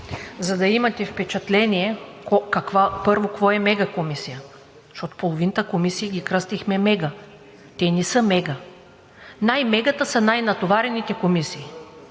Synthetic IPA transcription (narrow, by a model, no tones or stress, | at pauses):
zɐd̪ɐimɐt̪ɛfpɛt͡ʃɐt̪lɛniɛkokɐkvapɤɾvokvɔɛmɛɡəkomisijə | ʃt̪ɔt̪o̥polˠovint̪əkomisijəɡʲikɾɤst̪ixmɛmɛɡə | t̪ɛnɛsɤmɛɡə | najmɛɡət̪əsɐnajnɐt̪ovaɾɛnit̪ɛkomisiː